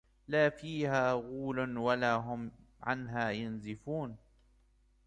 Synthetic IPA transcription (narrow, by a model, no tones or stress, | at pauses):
laːfiːhaːɣuːlʊnwalaːɦʊm | ʕa̰nɦaːjʊnzɪfuːn